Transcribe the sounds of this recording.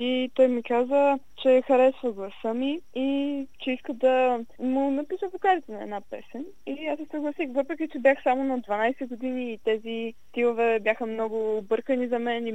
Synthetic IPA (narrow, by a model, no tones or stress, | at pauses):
it̪ɔjmikazə | t͡ʃɛxɐɾɛsvəɡlˠɐsəmiit͡ʃɛiskəd̪ɐmʊnɐpisəvokaɾit̪ɛnɐɛ̰d̪napɛsɛn | iasɛsəɡlˠɐsixvɤpɾɛkʲit͡ʃɛbʲjaxsamonɐd̪vɐnajsɛɡʊd̪iniːt̪ɛzit̪ilˠovɛbʲjaxəmnɔɡʊːbɤɾkənizɐmɛni